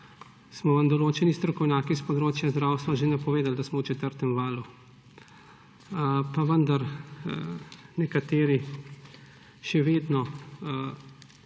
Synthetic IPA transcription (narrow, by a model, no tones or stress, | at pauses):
smɔʋamd̪ɔloːt͡ʃɛnist̪ɾɔkɔwnʲjaːkispɔd̪ɾoːt͡ʃjazd̪ɾaːwst̪ʋaʒenapɔʋeːd̪ald̪asmɔwt͡ʃɛt̪əɾt̪ɛmʋaːlu | paʋənd̪aɾ | nɛkat̪eːɾi | ʃɛʋeːd̪nɔ